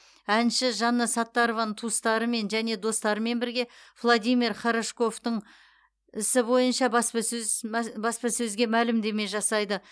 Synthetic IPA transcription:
ænʃɪʒɑnːəsɑt̪ːɑɾovɑnət̪ʰust̪ɑɾəme̞nʒæne̞d̪o̞st̪ɑɾəme̞nbɪɾɡʲe̞vlˠod̪ijmʲirχɑɾaʃko̞ft̪əɴ | ɪsɪbo̞jənʃɑbɑspɑɵbɑspɑsɵzɡʲe̞mælɪmd̪e̞me̞ʒɑsɑjd̪ə

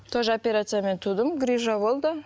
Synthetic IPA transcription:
t̪ʰoʒopʲeɾat̪sɨjame̞nt̪ʰud̪əmɡɾʲiʒɑbo̞lˠd̪ə

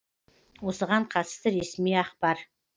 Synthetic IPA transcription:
wo̞səʁɑɴqʰɑt̪ə̥st̪əɾesmijɑqpɑɾ

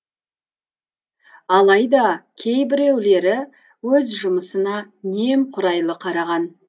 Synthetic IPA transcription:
ɑlˠɑjd̪ɑkʲʰe̞jbɪɾewle̞ɾɪ | wɵzʒʊməsənɑ | ne̞mqʰʊɾɑjlˠəqʰɑɾɑʁɑn

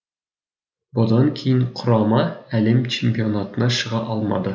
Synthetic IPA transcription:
bŏd̪ɑŋkʰijɘɴqʰŏɾɑmɑælɘmt͡ɕemʲpʲionat̪ɤ̆nɑɕɤ̆ʁɑʔɒlˠmɑ̰d̪ɤ

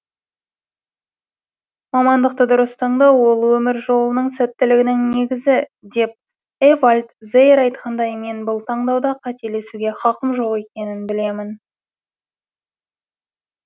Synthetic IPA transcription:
mɑmɑnd̪əq̚t̪əd̪ʊɾəst̪ʰɑɴd̪ɑwwo̞lˠwɵmɪɾʒo̞lˠənəɴsæt̪ːɪlɪɡʲɪnɪŋne̞ɡʲɪzɪd̪e̞p̚ | evalʲt̪zejɾɑjt̪qʰɑnd̪ɑjme̞nbʊlˠt̪ʰɑɴd̪ɑwd̪ɑqʰɑt̪e̞le̞suɡʲe̞χɑqəmʒo̞qe̞kʲe̞nɪnbɪle̞mɪn

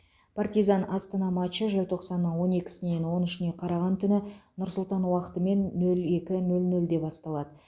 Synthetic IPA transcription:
pʰart̪ijzɑnɑst̪ɑnɑmɑʃəʒɪlʲt̪ʰo̞qsɑnːəɴwo̞ne̞kʲɪ̥sɪne̞nwo̞nɪʃɪne̞qʰɑɾɑʁɑnt̪ʰʏnɪnʊɾsʊlˠt̪ɑnwɑqə̥t̪əme̞nːɵle̞kʲɪnɵlnɵld̪e̞bɑst̪ɑlˠɑd̪ə

